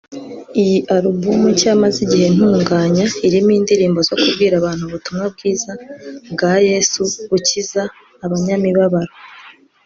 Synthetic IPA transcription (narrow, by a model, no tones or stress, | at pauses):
ijiʔaɾubumucaːmaziɟihe̞n̥uːŋɡaːɲaiɾimiːndiɾiːmbo̞zo̞kubɡiːɾaβaːn̥huβutumŋab̚ɡiːzabɡaːje̞ːsuβucizaː | βaɲamiβaβaɾo